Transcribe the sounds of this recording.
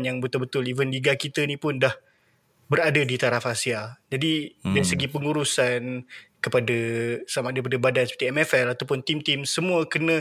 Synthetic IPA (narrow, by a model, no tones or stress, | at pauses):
njaŋbət̪ʊlbət̪ʊlivənliɡakit̪ənĩpʊndah | bəɾadədit̪aɾafasiad͡ʒadidaɾisəɡipəŋuɾusankəpadasəamaʔdaɾip̬adəbadansəpərt̪iɛmɛfɛlat̪awpʊnt̪imt̪imsəmũəkənə̃